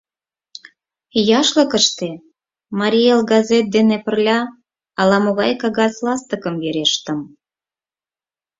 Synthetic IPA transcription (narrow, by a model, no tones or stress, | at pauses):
jɑʃlə̆kəʃt̪e | mɑɾʲielɡɑzet̪̚d̪enepə̆rlʲɑː | lɑmoɣɑjkɑɣɑslɑst̪əkəmveɾeʃt̪əm